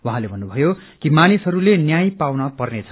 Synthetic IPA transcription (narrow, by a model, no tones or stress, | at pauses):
waɦãlebʱʌnːubʱʌjo | kimanisɦʌɾulenjaj̃pawnʌpʌrnet͡sʰʌ